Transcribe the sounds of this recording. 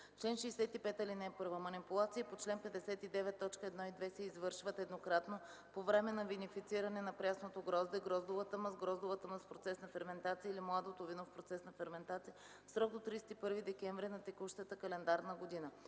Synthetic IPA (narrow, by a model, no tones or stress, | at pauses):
t͡ʃlɛnʃiːsɛt̪ipɛt̪ɐlinɛːpɤɾvəmɐnipulˠat̪sijəpot͡ʃlɛnpɛd̪ɛsɛt̪id̪ɛvɛt̪ːɔt͡ʃkəɛd̪nɔid̪vɛsɛizvɤɾʃvət̪ɛd̪nokɾat̪no | povɾɛmɛnɐvinifit̪siɾɐnɛnɐpɾʲjasnot̪oɡɾɔzd̪ɛɡɾɔzd̪ovət̪əmɐzɡɾɔzd̪ovət̪əməspɾot̪sɛsnɐfɛɾmɛnt̪at̪siəilimlˠad̪ot̪ovinofpɾot̪sɛsnɐfɛɾmɛnt̪at̪sijə | fsɾɔɡ̚d̪ot̪ɾiːsɛ̥t̪ipɤɾvid̪ɛkɛɱvɾinɐt̪ɛkuʃt̪ət̪əkɐlɛnd̪aɾnəɡod̪inə